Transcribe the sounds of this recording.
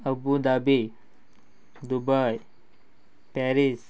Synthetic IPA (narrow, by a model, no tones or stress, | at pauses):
əbud̪abi | d̪ubaj | pɛɾis